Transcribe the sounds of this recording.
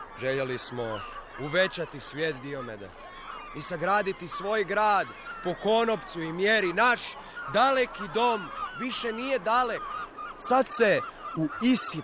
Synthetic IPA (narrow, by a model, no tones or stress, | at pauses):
ʒe̞ʎelismo̞ | uʋe̞t͡ɕat̪isʋje̞ːt̪d̪iomed̪a̰ | isaɡɾaːd̪it̪isʋo̞ːjɡɾaːd̪po̞ko̞no̞pt̪suimjeɾinaʃ | d̪alekid̪o̞mʋiʃenije̞d̪aleksat̪se̞uisi